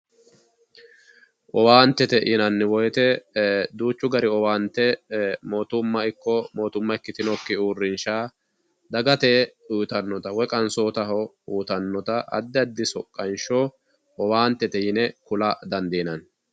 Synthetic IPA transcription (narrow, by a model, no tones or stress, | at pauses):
ʔɔwaːnt̪ːɛt̪ɛʔɪnɐnːɪwɔjt̪ɛd̪uːt͡ʃːʊɡɐɾɪɔwaːnt̪ːɛmoːt̪ʊmːɐɪkːɔmo̞ːt̪ʊmːɐɪkːɪt̪ɪnɔkːɪuːrːɪnʃaː | d̪ɐɡɐt̪eːujt̪ɐnːɔt̪ɐwɔkʼɐnsoːt̪ɐɦɔ | uːt̪ɐnːɔt̪ɐʔɐ̰d̪ːɪɐd̪ːɪsɔkʼːɐnʃo | ʔɔwaːnt̪ːɛt̪ɛjɪnɛkʊlɐd̪ɐnd̪iːnɐn